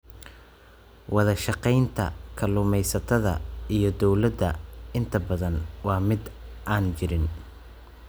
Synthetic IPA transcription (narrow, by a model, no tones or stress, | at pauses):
wɑðɐʃɑqɛjnt̪ʰɐ̰kʰɐlʊmɛjsɐt̪ʰɐðɐ̰ijɞd̪ɔwlɐd̪ɐɪnt̪ʰɐbɐðɐnwɑːmɪd̪ʔaːnt͡ʃɪɾɪn